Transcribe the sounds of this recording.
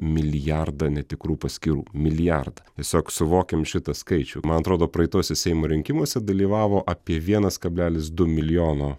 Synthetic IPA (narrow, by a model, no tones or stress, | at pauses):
mʲɪlʲɪjærd̪ɐnʲɛt̪ʲɪkɾuːpɐsʲkʲiːɾṵːmʲɪlʲɪjɐrd̪ɐt̪ʲiɛsʲoːksʊʋoːkʲɛmʃʲɪt̪ɐskɐɪt͡ʃʲṵːmɐnɐt̪ɾoːd̪oːpɾɐɪt̪oːsʲɛsʲɛɪmoːɾʲɪŋʲkʲɪmuɔsʲɛd̪ɐlʲiːʋɑːʋoːʔɑːpʲiɛʋʲiɛnɐskɐbʲlʲæːlʲɪsd̪ʊmʲɪlʲɪjoːnoː